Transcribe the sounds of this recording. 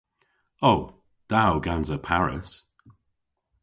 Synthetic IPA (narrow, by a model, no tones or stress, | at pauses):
ow | d̥awɡanzəpʰaɹɪ̰s